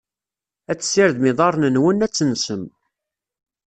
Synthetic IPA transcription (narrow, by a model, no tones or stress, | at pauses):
æt͡sːsɪɾðmɪðˤɑɾˤnənwənːæt͡sːənsəm